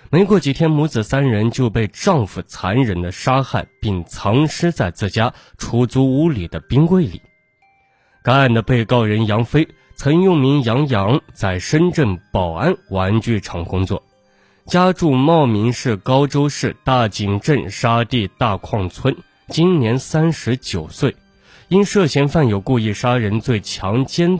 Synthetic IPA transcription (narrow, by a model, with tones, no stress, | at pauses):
me˧˥ɪkwɔ˥˩t͡ɕi˨˩t̪ʰjɛ˥nmu˧˥t͡sɹ̩˨˩sa˥nɻə˧˥nt͡ɕjo˥˧ʊpe˥˧ɪʈ͡ʂɑ˥˧ŋfu˨˩t͡sʰa˧˥nɻə˧˥nd̪ə˧ʂa˥xa˥˧ɪpi˥˩ŋt͡sʰɑ˧˥ŋʂɻ̩˥t͡sa˥˧ɪt͡sɹ̩˥˩t͡ɕja˥ | ʈ͡ʂʰu˧˥t͡su˧˥u˧˥li˨˩d̪ə˦pi˥ŋkwe˥˩ɪlḭ˨˩˦ | ka˥a˥˩nd̪ə˩pe˥˩ɪkɑ˥˩ʊɻə˧˥njɑ˧˥ŋfe˥ɪ | t͡sʰɤ˧˥ŋjʊ˥˩ŋmi˧˥ŋjɑ˧˥ŋjɑ˧˥ŋt͡sa˥˩ɪʂə˥nʈ͡ʂə˥˩ŋpɑ˨˩ʊa˥˩nwa˧˥nt͡ɕy˥˩ʈ͡ʂʰɑ˧˥ŋkʊ˥ŋt͡swɔ̰˥˩ | t͡ɕja˥ʈ͡ʂu˥˧mɑ˥˩ʊmi˧˥ŋʂɻ̩˥˩kɑ˥ʊʈ͡ʂo˥ʊʂɻ̩˥˧t̪a˥˩t͡ɕi˨˩ŋʈ͡ʂə˥˩nʂa˥t̪i˥˧t̪a˥˧kʰwɑ˥˩ŋt͡sʰwə˥n | t͡ɕi˥nnjɛ˧˥nsa˥nʂɻ̩˧˥t͡ɕjo˨˩ʊswe˥˩ɪ | i˥nʂɤ˥˩ɕjɛ˧˥nfa˥˩njo˨˩ʊku˥˧i˥˩ʂa˥ɻə˧˥nt͡swe˥˩ɪt͡ɕʰjɑ˧˥ŋt͡ɕjɛ˥n